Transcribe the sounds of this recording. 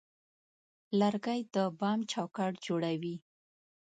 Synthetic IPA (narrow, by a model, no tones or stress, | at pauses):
laɾɡajd̪əbɑmt͡ʃɑwkaʈd͡ʒoɽawi